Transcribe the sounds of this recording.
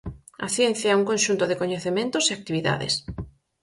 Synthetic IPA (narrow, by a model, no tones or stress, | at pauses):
ɐ̰θjɛn̟θjaɛuŋkõnʃunt̪oðekoɲeθemẽnt̪oseak̚t̪iβiða̰ðḛs